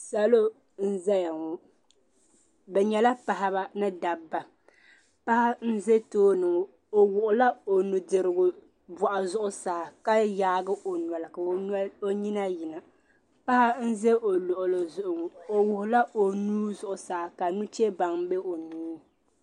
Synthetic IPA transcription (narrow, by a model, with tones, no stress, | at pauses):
sa˦lo˦ | n̩˦za˦ja˨ŋʊ˨ | bɛ˨ɲɛ˨la˦pa˨ɦa˦βa˦nɨ˦da˨bːa˨ | pa˦ha˦n̩˦ze˦toː˦nɨ˨ŋʊ˨ | o˨wʊ˨ʔʊ˨la˦o˨nu˨dɨ˨ɾɨ˨ɡʊ˨ | bɔ˨ʔa˨zʊ˦ʔʊ˦saː˨ka˦jaː˦ɡɨ˦o˨n˨a˨lɨ˨ka˨˦o˦ɲi˦na˦jɪ˨na˨ | pa˦ha˦n̩˦ze˦ʔo˨lʊ˨ʔʊ˨lɨ˨zʊ˨ʔʊ˨ŋʊ˨o˨wʊ˨hʊ˨la˦o˨nuː˦zʊ˦ʔʊ˨saː˨ka˨nu˦t͡ʃe˦ba˨ŋ˦be˦o˨nuː˦